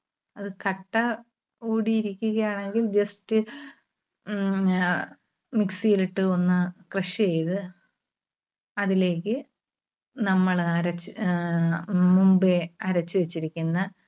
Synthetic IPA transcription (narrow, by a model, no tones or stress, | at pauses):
ɐðɨkɐʈːɐ | uːɽijiɾikʲːuɣɐjaːɳe̞ŋɡild͡ʑɐstɨ | miksijiliʈːɨo̞nːɨkrɐɕiɐjðɨ | ɐðile̞ːkːɨ | nɐmːɐɭɐɾɐt͡ɕː | mumbeɐɾɐt͡ɕːɨʋet͡ɕːiɾikʲːunːɐ